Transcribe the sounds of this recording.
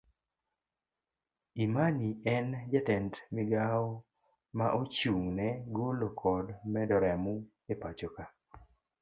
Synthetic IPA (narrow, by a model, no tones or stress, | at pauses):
imaniɛnd͡ʒɛtɛntmɪɡao | maʔot͡ʃuŋnɛɡolokʰɔdmɛdɔɾɛmu | epat͡ʃoka